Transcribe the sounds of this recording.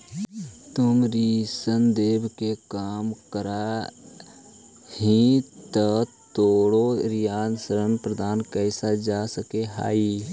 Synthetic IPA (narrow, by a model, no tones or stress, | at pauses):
t̪ʊmɾiːsənd̪eːbkekaːmkəɾa | hĩt̪ət̪oːɽoɾijaːnsəɾənpɾəd̪aːnkɛːsad͡ʒaːsəkeɦa̰ːiː